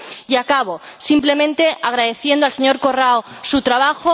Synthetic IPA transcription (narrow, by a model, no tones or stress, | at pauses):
iakaβo̞simple̞mẽ̞nt̪e̞aɣ̞ɾaðe̞θje̞nd̪oalse̞ɲo̞ɾko̞raosut̪ɾaβaxo